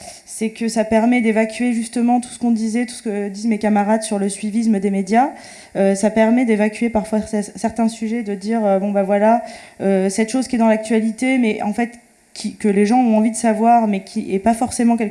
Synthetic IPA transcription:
sɛkəsapɛʁmɛd̪evakʲɥeʒyst̪əmɑ̃t̪u̥sə̥kɔ̃d̪izɛt̪u̥sə̥kəd̪izmekamaʁad̪syʁləsɥivisməd̪emed̪ja | øsapɛʁmɛd̪evakʲɥepaʁfwasɛsɛʁt̪ɛ̃syʒɛd̪əd̪iːʁøbɔ̃bavwalaøsɛt̪ʃozkʲiɛd̪ɑ̃lak̚t̪ɥalit̪emɛʔɑ̃fɛt̪ | kʲʰikəleʒɑ̃ɔ̃ɑ̃vid̪əsavwaʁmɛkʲʰiɛpafɔʁsemɑ̃kʲɛl

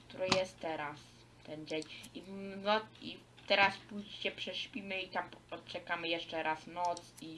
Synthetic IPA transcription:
kt̪uɾɘjɛst̪t̪ːɛɾas | t̪ɛnd͡ʑeɲinɔi | t̪ɛɾaspujɕt͡ɕɛpʂɛɕpʲimɘit̪amɔtt͡ʃɛkamɘjɛʂt͡ʂɛɾasnɔt̪si

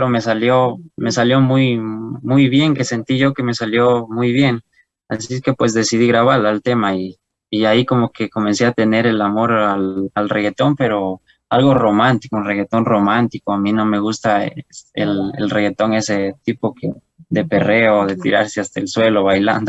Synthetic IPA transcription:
ɾome̞saljome̞saljo̞mujmujβje̞ŋke̞se̞nt̪iʝo̞ke̞me̞saljo̞mujβje̞n | aseske̞pwe̞sðe̞siðiɣɾaβ̞alalt̪e̞maiː | aiko̞mo̞ke̞ko̞mẽ̞nse̞at̪e̞ne̞ɾe̞lamo̞ɾalalre̞ɣe̞t̪o̞mpe̞ɾo̞ | alɣo̞ro̞mãnt̪i̥konreɣe̞t̪o̞nro̞mant̪iko̞amino̞me̞ɣust̪aesḛlḛlreɣe̞t̪o̞ŋe̞se̞t̪ipo̞ke | d̪e̞pe̞re̞oðe̞t̪ḭɾa̰ɾse̞ast̪aelswe̞lo̞βajla̰nd̪o

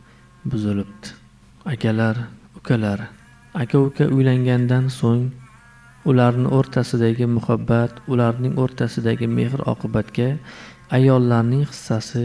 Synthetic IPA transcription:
bʊzɪlɪp̚t̪ʰɪ̥ | akʲʰalaɾ | ʊkʲʰalaɾ | akʲaʊkʰʲaʔʊjlaŋɡʲand̪ansoŋ | ʊlaɾnɪ̰ʔoɾt̪ʰasɪd̪aɡʲɪmʊhabːat̪ʊlaɾnɪŋoɾt̪ʰasɪd̪aɡʲɪme̞ɦɾɒ̰qʰɨbat̪kʲa | ajɒlˠːaɾnɪŋχɨ̥sːasɪ

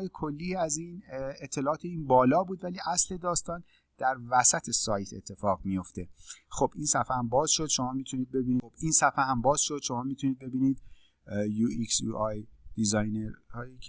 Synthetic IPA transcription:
jekʰolːiːæziːnet̪ʰːe̞lɒːʔɒːt̪ʰeiːnbɒːlɒːbuːd̪væliːʔæsle̞d̪ɒːst̪ɒːn | d̪̥æɾvæsæt̪ʰe̞sɒːjt̪ʰe̞̰t̪ʰːe̞fɒːɣmijo̞ft̪e̞xob̥ʔiːnsæfæhæmbɒːz̥ʃod̪̥ʃomɒːmiːt̪ʰuniːd̪̚be̞biːnib̥iːnsæfehæmbɒːz̥ʃo̞d̪̥ʃo̞mɒːmit̪ʰuniːd̪̚be̞biːniːd̪ | juiksjṵʔɒjd̪̥izɒjneɾhɒːji

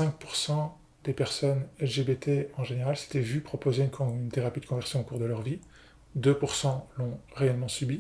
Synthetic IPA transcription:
sɛ̃k̚puʁsɑ̃ | d̪epɛʁsɔnɛlʒebet̪ʰeɑ̃ʒeneʁalse̥t̪ɛvypχɔpozekʰɔ̃ynt̪eʁapid̪əkɔ̃vɛʁsjɔ̃okuʁd̪əlœʁvi | d̪øpuʁsɑ̃lɔ̃ʁeɛlmɑ̃sybi

